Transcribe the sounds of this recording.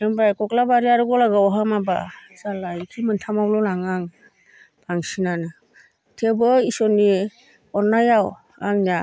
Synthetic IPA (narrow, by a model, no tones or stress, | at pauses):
ɯmbajkɔklabaɾiaɾuɡɔlaɡawɔɦamaba̰salajkʰimɯntʰamawlɔlaŋaŋ | b̥aŋsinanɯ | tʰebɔisɔni | ɔɾnajaw | aŋna